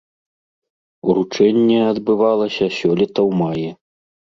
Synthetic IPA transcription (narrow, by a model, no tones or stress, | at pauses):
uɾut͡ʂɛnʲːɛɐd̪bɨvalˠɐsʲɐsʲɔlʲɛt̪ɐwmajɛ